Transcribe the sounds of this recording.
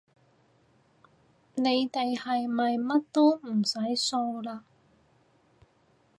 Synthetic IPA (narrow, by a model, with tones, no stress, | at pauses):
ne˨˧jt̪e˨jhɐ˨jmɐ˨jmɐ˥t̚t̪o˥m̩˨˩sɐ˨˥jso˧wlaː˧